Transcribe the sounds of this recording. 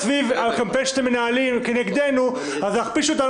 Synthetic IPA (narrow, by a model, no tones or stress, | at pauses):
vivalkampenʃt̪emːenaalimkeneɡd̪enu | azaχpiʃuot̪a